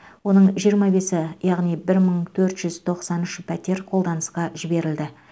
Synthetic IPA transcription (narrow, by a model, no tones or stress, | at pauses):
wo̞nəɴʒijəɾmɑbe̞sɪjɑʁnijbɪɾməɴt̪ʰɵɾt̪ʒ̥ʏzt̪ʰo̞qsɑnʏʃɪpʰæt̪e̞ɾqʰolˠd̪ɑnəsqɑʒɪbe̞ɾɪld̪ɪ